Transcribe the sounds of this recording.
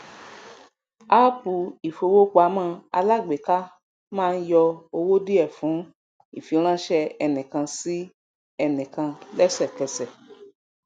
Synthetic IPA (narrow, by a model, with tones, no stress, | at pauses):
a˦pu˨i˨fo˧wo˦k͡pa˨˦mãː˦˧˨a˧la˦˨ɡ͡be˨ka˦ | mãː˦˧n̩˦jɔ˧o˧wo˦di˦ɛ˦˨fũ˨˦ | i˦˨fi˨˧˦ɾ̃ã˦ʃɛ˧ɛ˧nĩ˨kã˧si˦ | ɛ˧˨nĩ˨kã˧lɛ˦sɛ˦˨kɛ˧sɛ˨